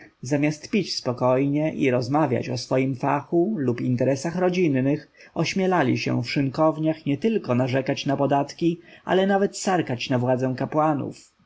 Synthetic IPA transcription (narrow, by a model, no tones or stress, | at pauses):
zamʲjast̪pʲit͡ɕspɔkɔjɲɛʔiɾɔzmavʲja̰t͡ɕɔsfɔjimfa̰xulupint̪ɛɾɛsaxɾɔd͡ʑinːɘx | ɔɕmʲjɛlalʲiɕɛ̰̃fʂɘŋkɔvɲaxɲɛt̪ɘlkɔnaʐɛkat͡ɕnapɔd̪at̪kʲiʔa̰lɛnavɛt̪saɾkat͡ɕnavwad̪zɛw̃kapwanṵf